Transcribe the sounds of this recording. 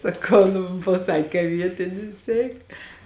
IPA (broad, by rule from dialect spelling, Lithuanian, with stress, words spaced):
sɐˈkɐʊ nʊ pɐˈsɑːkʲeː kɐ ˈʋʲiɛtʲɪnʲɪs ˈɛɪk